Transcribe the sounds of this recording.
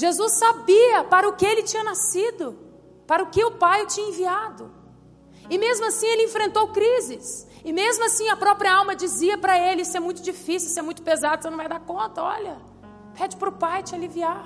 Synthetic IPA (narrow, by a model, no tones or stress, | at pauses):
ʒezusːabiɐpaɾɐʊkɪelɪt͡ʃĩɲɐnasid̪ʊ | paɾɐʊkɪʊpajet͡ʃĩɲɐẽviad̪ʊ | ɪmezmʊasĩelɪẽfɾẽnt̪owkɾizɪs | ɪmezmʊasĩɐpɾɔpɾiɐawmɐd͡ʒiziɐpɾɐelɪsɪɛmũj̃t̪ʊd͡ʒifisiwsɪɛmũj̃t̪ʊpezad̪ʊsẽnɐ̃vajd̪aɾkõnt̪ɐɔ̰lɐ | pʰɛd͡ʒɪpɾʊpajt͡ʃɪalivia